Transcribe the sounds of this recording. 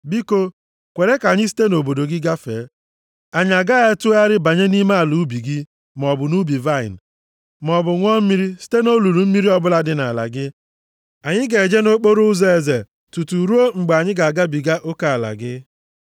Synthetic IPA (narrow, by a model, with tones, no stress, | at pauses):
bi˦ko˦ | kʷe˨ɾe˦ka˨ɲɪ˦s̬i̥˦te˦no˨bo˨do˨ɡɪ˦ɡa˦fḛː˨˦ | a˨ɲ˨a˨ɡa˦e˦tu˦a˦ɾɪ˦ba˨ɲe˦ni˦ma˦a˨lu˨˦bi˨ɡɪ˦ | m˨ɔ˨bʊ˨nu˦bi˨va˦˨ɪ̰˨n̩˨ | m˨ɔ˨bʊ˨ŋʷɔ˦m̩˦mi˦ɾi˦si̥˦te˦no˦lu˨ɾu˨m̩˦mi˦ɾi˦ɔ˦bʊ˦la˦dɪ˦na˨la̰˨ɡɪ˦ | a˨ɲɪ˦ɡe˨d͡ʒe˦no˦k͡po˦ɾu˦ze˨e˨ze˨ | tu˨tu˨ɾu˦o˦ŋ͡m̩˨ɡ͡be˨a˨ɲɪ˦ɡa˨ɡa˦bi˨ɡa˦ʔo˦ka˨a˨la̰˨ɡɪ˦